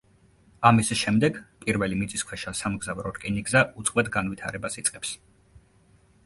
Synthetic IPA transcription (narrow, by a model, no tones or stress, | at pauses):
amisʃɛmd̪ɛɡpʼiɾvɛlimit̪sʼiskʰwɛʃasamɡzavɾɔɾkʼiniɡzaʔut̪sʼqʼwɛd̪ɡanvit̪ʰa̰ɾɛbasit̪sʼqʼɛps